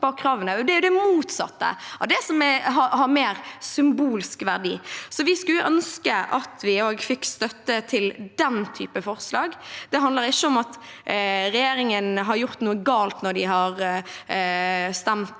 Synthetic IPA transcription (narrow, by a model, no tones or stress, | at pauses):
bɑkʰɾɑːʋənəd̪ɛæɾjʊd̪ɛmuːt̪sɑ̰t̪ːə̰ɑ̰d̪ɛsɔmɦɑhɑɾmeːɾsʏmbuːlskʋæ̰ʁɖḭːsɔʋɪskʉlʊʔœnskəʔɑ̰t̪ʰʋɪoːɡfɪkːst̪œt̪ːət̪ʰɪld̪ɛnt̪ʰy̰ːpəfɔɾslɑːɡd̪̥ɛɦɑnəɾɪʃːəɔmɑt̪ | ɾɛjeːɾɪŋənɦɑɾjʊʁt̪nuːəɡɑːlt̪nɔɖ̪ɪɦɑɾ | st̪ɛmt̪